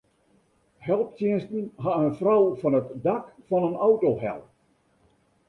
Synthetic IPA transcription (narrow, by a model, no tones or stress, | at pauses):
hɛlˠp̚tjiənstn̩ɦaənfrɔwfɔnətdakfɔnənawtoɦɛ̰lˠ